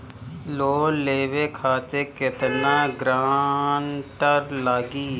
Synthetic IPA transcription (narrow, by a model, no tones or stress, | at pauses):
loːleːwekʰaːt̪ekɪt̪naːɡɾaːnʈəɾlaːɡiː